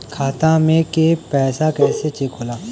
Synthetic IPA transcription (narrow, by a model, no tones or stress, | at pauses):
kʰaːt̪ãmẽkepɛːsakɛːset͡ʃekʰɦoːlaː